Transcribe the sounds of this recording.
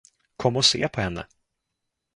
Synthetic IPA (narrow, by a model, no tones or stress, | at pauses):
kʰɔmːɔsḛːpʰɔhɛnːə̰